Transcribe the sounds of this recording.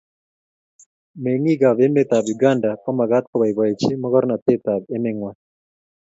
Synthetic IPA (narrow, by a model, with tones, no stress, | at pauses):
me˨ŋi˦ɡa˨βe˦met̪a˨bi˨ɡa˦nda˨kɔ˦ma˨ɣa˦t̪̚kɔ˦βa˨i˨βa˨e˨t͡ʃi˦mɔ˦ɣɔ˦ɾna˨t̪e˦t̪a˨be˦mɛŋwa